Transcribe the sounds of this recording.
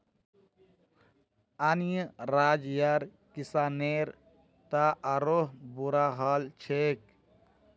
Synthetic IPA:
anjəɾaːd͡ʒjaɾ | kisaːneːɾ | t̪aʔɐɾoɦbuɾaɦaːlt͡ʃʰeːk̚

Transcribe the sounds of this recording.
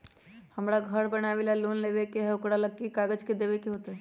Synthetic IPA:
həmɾaɡʱəɾbənaʋelalonlebekeɦɛʊkɽaləkːikaɡəd͡ʒked̪ebekeɦot̪ɦɛ

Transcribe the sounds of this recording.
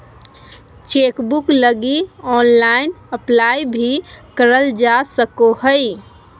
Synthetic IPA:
t͡ʃekbukləɡiɔnlainəplajbʱikəɾəld͡ʒasəkoɦəj

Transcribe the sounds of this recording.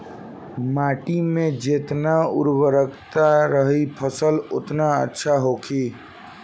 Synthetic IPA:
maːʈimẽd͡ʒeːt̪naʊɾwəɾəkt̪aɾəɦipʰəsəlʊt̪naə̰tːʃʰaɦoːkʰiː

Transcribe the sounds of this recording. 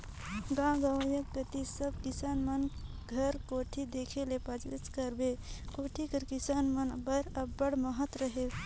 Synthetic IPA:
ɡãɡəʋəjək̚kət̪isəb̚kisanmənɡʱəɾkoʈʰid̪ekʰelepad͡ʒit͡ʃkəɾbekoʈʰikəɾkisanmənbəɾəbːəɽməɦət̪ɾəɦe

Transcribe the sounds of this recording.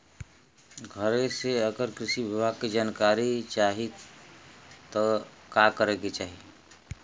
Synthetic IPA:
ɡʱəɾeseəɡəɾkɾɪʃiʋɪbʱaːɡ̚kid͡ʒaːnkaːɾit͡ʃaːɦi | t̪ɔkakəɾeːɡet͡ʃaːɦi

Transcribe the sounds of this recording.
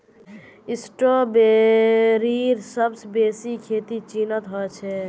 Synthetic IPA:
isʈobe | ɾiɾsəbsbesikʰet̪it͡ʃinət̪ɦɔɛt͡ʃʰɛ

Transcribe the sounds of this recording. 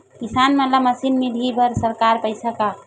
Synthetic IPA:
kisanmelaməsinmid̪ʱibəɾsəɾkaɾpəɪsaka

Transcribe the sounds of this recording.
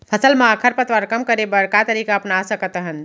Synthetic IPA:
pʰəsəlmeakʰəɾpət̪ʋəɾkəmkəɾebəɽkat̪əɾikaəpnasəkət̪əɦən

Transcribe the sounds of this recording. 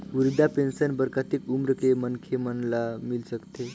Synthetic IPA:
uɾid̪apensənbəɾkat̪ikumɾəkemənkʰemənlamilsəkt̪e

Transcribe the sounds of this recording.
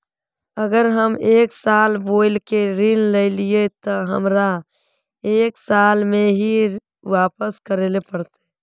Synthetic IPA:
əɡəɾɦəmeːksaːlboːɪlkeɾinleɪliet̪ɔɦə̰mɾa | eːksaːlmẽɦi | ʋaːpəskəɾeːlepəɾt̪e̥

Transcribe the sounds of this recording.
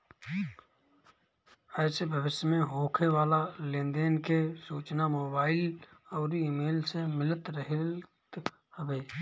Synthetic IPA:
ɛːsebʱəʋɪʃjəmẽɦoːkʰeʋaːlalẽːnd̪eːnkesuːt͡ʃnamoːbaːɪlɔːɾiiːmeːlsemɪlət̪ɾəɦt̪ | həbeː

